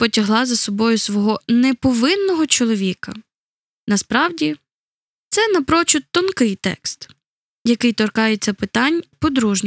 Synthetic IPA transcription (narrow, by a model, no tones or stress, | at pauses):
pɔtʲɐɦlˠɑzɐsɔbɔjʊsʋɔɦɔnɛpɔʋɪnːɔɦɔt͡ʃɔlˠɔʋʲikɐ | nɐspɾɑwdʲi | t̪sɛnɐpɾɔt͡ʃʊt̪ːɔnkɪjt̪ɛ̰kst̪ | jɐkɪjt̪ɔrkɑjet͡sʲːɐpɪt̪ɑnʲpɔd̪ɾuʒnʲ